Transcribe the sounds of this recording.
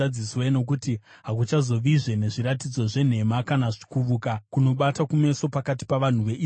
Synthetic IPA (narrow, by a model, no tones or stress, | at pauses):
ad͡zisweno̞kutiɦakut͡ʃazo̞ʋiʐe̞ne̞ʐiɾatid͡zo̞ʐe̞n̤e̞makanaʐi̥kuʋukakuno̞ɓatakume̞so̞pakati̥paʋan̤uʋe̞ʔi